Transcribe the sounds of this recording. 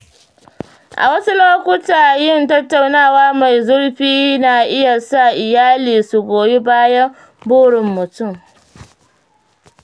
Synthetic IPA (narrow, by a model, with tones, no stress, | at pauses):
ʔa̰˨wɐ˦su˦loː˦kʷʊ˦taː˨jɪ˦˨ntɐ˦tːa˨wnaː˦˨waː˦ma˨jzʊ˦ɽɸiː˦naː˨ʔɪ˦ja˨sa˦˨ʔɪ˨jaː˦liː˨su˨ɡʷoː˨be˦baː˦jɐ˦m | bʊː˦ɽɪ˨mːʊ˨tʊ˦˨m